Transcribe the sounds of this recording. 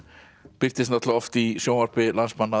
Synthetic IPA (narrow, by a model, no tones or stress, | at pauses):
pɪɾ̥t̪ɪst̪nat̪lɔft̪isjoːwmaɾ̥pɪlansmanːa